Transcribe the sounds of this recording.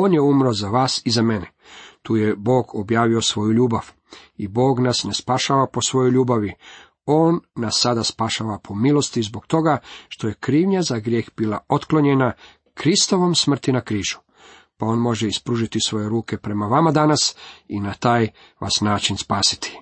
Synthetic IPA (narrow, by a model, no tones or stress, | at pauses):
o̞ːnjeumɾozaʋaːsizamene | t̪uːjebo̞ːɡobjaːʋio̞sʋo̞juʎuːbaʋ | ibo̞ːɡnasnespaʃaːʋapo̞sʋo̞joʎuːbaʋi | o̞ːnːasːad̪aspaʃaːʋapʰo̞milo̞st̪izbo̞kt̪o̞ɡaʃt̪o̞je̞kɾiːʋɲazaɡɾjeːxbilˠaʔot̪klo̞ɲena | kɾist̪o̞ʋo̞msmr̩t̪inakɾiːʒu̥ | pao̞ːnmo̞ʒeispɾuʒit̪isʋo̞je̞ɾuːke̞pɾe̞maʋamad̪anasinat̪aːj | ʋʔa̰snaːt͡ʃinspaːsi̥t̪ʰi̥